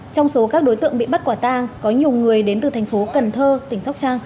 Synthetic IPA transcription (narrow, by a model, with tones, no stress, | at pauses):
t͡ɕɔ˧wŋ͡mso˨˦kaː˦˥k̚ɗo˨˦jt̪ɨ̰˧əŋɓḭ˧˨ɓə˦˥t̚kwaː˧˩t̪aː˧ŋkɔ˨˦ɲi˨˩əwŋɨ˨˩əjɗe˨˦nt̪ɨ˨˩t̪ʰɛ˨˩jŋ̟fo˨˦kə˨˩nt̪ʰəː˧t̪ï˧˩ŋ̟sa˦˥wk͡p̚t͡ɕaː˧ŋ